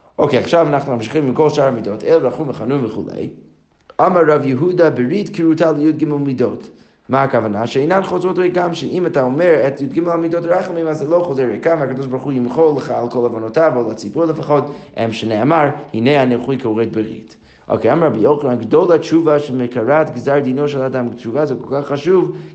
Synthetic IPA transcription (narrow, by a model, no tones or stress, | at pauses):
ʔoʊkʰeaχʃavanaχnumamʃiχimimkʰɔlˠʃaɹamidotʰɛlˠəɾaχumvəχanunvəχṵlˠḛj | amaɹːavjəɦudabəɹitkiɹutʰalˠəjud̚ɡɪmɛlˠmidot | maakavanaʃɛenanχozotɾɛɡamʃɛʔimataomɛɹɛtjud̚ɡɪmɛlˠamidotɾaχmimazːɛlˠoʊχozɛɾekavakad̪ɔʃ̬baɾuχujɪmχolˠəχaalˠkʰɔlˠavonotavolˠat͡sibuɾlˠəfaχɔtɛ̰mʃənɛmaɹhineanɛχujkʰuʁɛt̚bəɾḭt | ʔo̰keamaɾabijoχnanɡdolˠat͡ʃuvaʃɛlˠməkaɾatɡzaɹd̪inoʃɛlˠadamt͡ʃuvazɛkolˠkaχːaʃuv